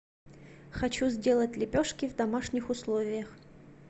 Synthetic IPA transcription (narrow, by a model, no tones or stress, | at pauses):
xɐt͡ɕuzʲdʲe̞lˠətʲlʲɪpʲoʂkʲɪvd̪ɐmaʂnʲɪxʊslˠovʲɪjəx